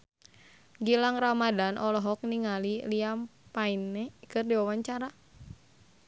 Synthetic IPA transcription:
ɡilaŋramadanʔɔlɔɦɔk̚niŋaliliampainːɛkɨrdiwawaɲt͡ʃaɾa

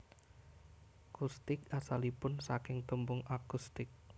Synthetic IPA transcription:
kust̪ɪkasalipʊnsakɪŋt̪əmbʊŋakust̪ɪk̚

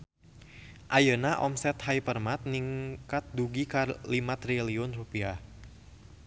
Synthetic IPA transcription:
ʔajənaʔɔ̰msɛt̪hajpərmat̪̚niŋkat̪̚duɡikalimat̪ɾiliʊnrupia

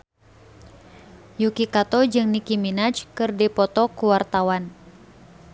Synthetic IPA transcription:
jukikat̪ɔd͡ʒɨŋnikiminat͡ʃkɨrdipɔt̪ɔkuwart̪awan

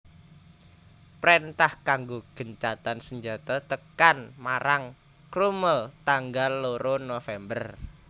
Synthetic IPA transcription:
pɾent̪ahkaŋɡoɡ̥ə̤ɲt͡ʃat̪ansəɲd͡ʒat̪ɔt̪əkanmaɾaŋ | kɾuməlt̪aŋɡalːoɾonofɛmbər

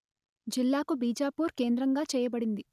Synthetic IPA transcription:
d͡ʒilːaːkubiːd͡ʒaːpuːɾke̞ːnd̪ɾɐŋɡaːt͡ʃɛːjɐbɐɽind̪i

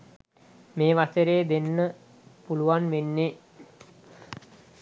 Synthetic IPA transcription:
meːʋasəɾeːd̪enːə | puluʋanʋenːe

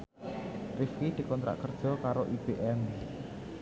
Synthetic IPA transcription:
rɪfkid̪̥i̤kɔnt̪ɾa̰ʔkərd̥ʒ̥ɔ̤kaɾoʔib̥eʔɛm

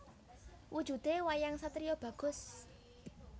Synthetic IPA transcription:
wʔud̥ʒ̥ṳd̪ewajaŋsat̪ɾijob̥ä̤ɡ̥ʊ̤s

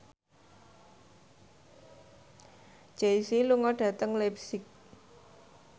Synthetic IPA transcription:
d͡ʒ̥ejsiluŋɔɖ̥ä̤t̪əŋlɛpsɪk̚

